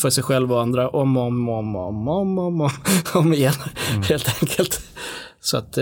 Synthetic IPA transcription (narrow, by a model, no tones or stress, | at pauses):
fœʂɛjɧɛlːvaand̪ɾaʔɔmɔmɔmɔ̰mɔmɔmɔɔmeːnaheːlt̪ʰɛŋkʰəlt̪ | sɔa̰t̪